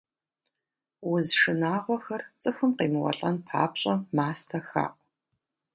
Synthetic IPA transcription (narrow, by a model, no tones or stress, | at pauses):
wʊzʂɨnaːʁʷɔxɐrt͡sʼɨxʷʊmqeːmɨwɐ̰ɬʼɐnpʰa̰ːpɕʼɐmaːstʰɐxa̰ːʔʷ